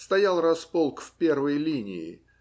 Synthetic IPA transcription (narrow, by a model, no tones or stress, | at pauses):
st̪ɐjalˠrɐspolˠkfpʲe̞rvəjlʲinʲɪ̰ɪ̰